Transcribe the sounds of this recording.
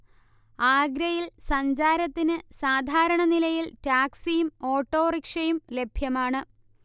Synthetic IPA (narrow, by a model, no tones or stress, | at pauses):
aːɡɾɐjilsɐɲd͡ʑaːɾɐt̪ːinɨsaːd̪ʱaːɾɐɳɐnilɐjiltaːksijumo̞ːʈːo̞ːrikʂɐjumle̞bʱjɐmaːɳɨ